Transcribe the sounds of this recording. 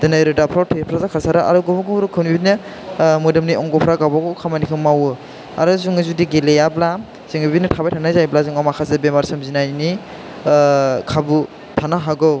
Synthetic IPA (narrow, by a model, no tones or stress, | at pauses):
dɯnajɾɯdapʰɾatʰepʰɾazakʰasaɾɯʔa̰ɾuɡɔmɡɔɾukʰɯwniibinɯ | mudɯmniɔŋɡɔpʰɾaɡabaɡowkʰamanikʰɯŋmawɯ | a̰ɾɯzuŋɯzudiɡelejabla | zɯŋbibitnitʰabajtʰanazajblazuŋamakʰazɯbemaɾsɯmzinajni | kʰabu | tʰanaɦaɡɯw